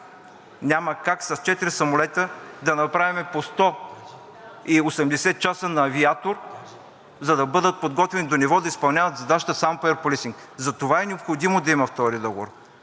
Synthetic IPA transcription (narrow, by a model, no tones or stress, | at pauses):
nʲamɐkaksɐst͡ʃɛt̪iɾisɐmolɛt̪əd̪ɐnɐpɾavimɛpost̪ɔ | iosɛmd̪ɛsɛt̪̚t͡ʃasənɐːviat̪oɾ | zɐd̪ɐbɤd̪ət̪̚pod̪ɡɔt̪vɛnid̪onivɔd̪ɐispɐlˠnʲavɐt̪zɐd̪aʃt̪əsampɛɾpolisiŋk | zɐt̪ovaɛnɛopxod̪imod̪ɐimɐft̪ɔɾid̪ɔɡovo̰ɾ